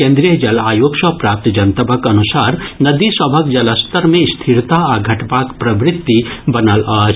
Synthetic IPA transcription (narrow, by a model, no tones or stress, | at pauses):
kẽnd̪ɾijəd͡ʒɐlaːjoːkʃɐpɾaːp̚t̪d͡ʒɐnt̪ɐbʱəkɐnusaːɾnɐd̪isɐbʱɐkd͡ʒɐləst̪əɾmẽst̪ʰiɾt̪aaɡʱɐʈpaːkpɾɐbɾɪt̪ːibɐnəlaːd͡ʒ